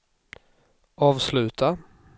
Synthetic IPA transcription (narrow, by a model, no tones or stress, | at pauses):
ʔɑːvslʉ̟ːt̪ʰa